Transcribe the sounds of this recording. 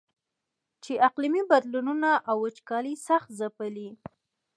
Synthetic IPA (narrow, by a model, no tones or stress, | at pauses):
t͡ʃeʔaqlimibad̪lununaʔawət͡ʃkɑlisaxt̪zapəli